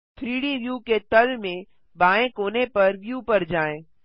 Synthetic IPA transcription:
t̪ʰɾiːɽiʋjuːket̪ɐlmẽ | baːẽkoːnepɐɾʋjuːpɐɾd͡ʒaːẽː

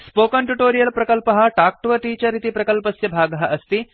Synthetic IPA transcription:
spoːkɐɳʈuʈoːɾijɐlpɾɐkɐlpɐɦɐ̆ʈaːk̚ʈʋɐʈiːt͡ɕɐɾit̪ipɾɐkɐlpɐsjɐbʱaːɡɐɦɐʔɐst̪i

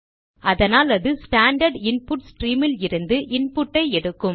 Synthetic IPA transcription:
ɐðɐnaːlɐðɯsʈaːɳɖɐɾɖɪnpʊʈsʈɾiːmɪlɪɾɯnd̪ɯʔɪnpʊʈːɐɪɛɽɯkːɯm

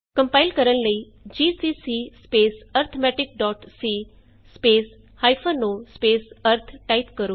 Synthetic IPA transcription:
kə̃mpailkəɾənləi | d͡ʑiːsisispeːsɐɾt̪ʰmɛʈɪk̚ɖɔːʈsi | speːs | hajfʰənospeːsəɾt̪ʰʈaipkəɾu

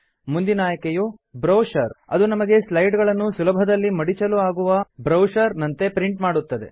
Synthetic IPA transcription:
mund̪inaːjɐkejubɾɐwʂɐɾɐ̰d̪unɐmɐɡe̞slɐjɖɡɐɭɐnːusulɐbʱɐd̪ɐlːimɐɽit͡ʃɐluaːɡuʋɐbɾɐwʃɐɾnɐnt̪e̞pɾiɳʈmaːɽut̪ːɐd̪e̞̰

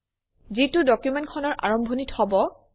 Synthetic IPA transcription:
zitʊdɔkjumentkʰɔnɔɹʔa̰ɹɔmbʱonithɔbɔ

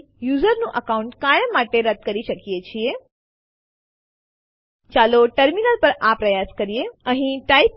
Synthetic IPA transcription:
juzəɾnũʔəkauɳʈkajəmːaʈeɾəd̪̚ʱkəɾiʃəkijet͡ʃʰie | t͡ʃaloʈəɾminəlpəɾapɾəjaskəɾijeəɦĩʈaip

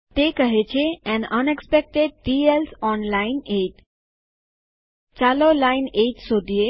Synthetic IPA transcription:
t̪ekəɦet͡ɕʰeɛ̃nɖənekspek̚ʈeɖ̚ʈielsɔnlaineʈ | t͡ɕalolaineʈsod̪ʱije

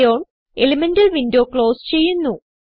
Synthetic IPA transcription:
joːɳ | elimendilʋindo̞ːklɭo̞ːst͡ɕe̞jːunːu

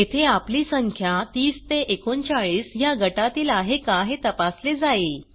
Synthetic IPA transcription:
et̪ʰeapliːsəŋkʰjat̪iːst̪eʔekont͡ɕaɭiːsjaɡʱəʈat̪iːlaɦekaɦet̪əpasled͡zae

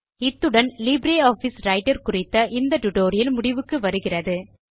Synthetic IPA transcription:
ɪt̪ːɯɽɐnlɪbɾeːaːfisɾɐɪʈɐɾkʊrɪt̪ːɐʔɪnd̪ɐʈʊʈoːɾɪjɪlmʊɽɪʋɯkːɯʋɐɾɯɣɪrɐðɯ

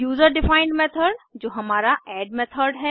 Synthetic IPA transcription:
juːzəɾɖɪfaːɪ̃ɳɖmɛt̪ʰəɾɖd͡ʒoːɦɐmaːɾaʔɛːɖmɛːt̪ʰəɾɖɦɛ

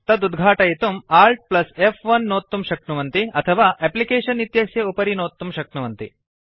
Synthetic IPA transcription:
t̪ɐd̪ud̪ɡʱaːʈɐjt̪umaːɾɖ̚plɐsefʋɐnːoːt̪ːumʃɐkɳuʋɐnt̪iɐt̪ʰɐʋaːʔeplikeːʂɐnːit̪jɐsjɐupɐɾinoːt̪ːumʃɐknuʋɐnt̪ḭ

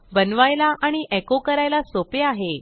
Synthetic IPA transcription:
bənʋajlaʔaɽ̃iʔɛkokəɾajlasopeaɦe

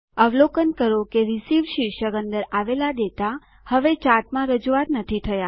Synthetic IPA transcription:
əʋlokənkəɾokeɾɪsiʋʃiʃəɡə̃nd̪əɾaʋelad̪et̪a | həʋet͡ʃat̪mãɾəd͡ʒuat̪nət̪ʰit̪ʰəja

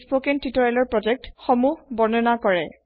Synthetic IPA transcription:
spokentitɔɹalɔɹpɹɔd͡ʒɛk̚txɔmuhbɔnɔnakɔɹɛ

